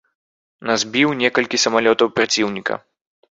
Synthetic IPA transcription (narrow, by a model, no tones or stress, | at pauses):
nazʲbʲiwnʲɛkɐlʲkʲisɐmalʲɔt̪ɐwpɾat͡sʲiwnʲikɐ̰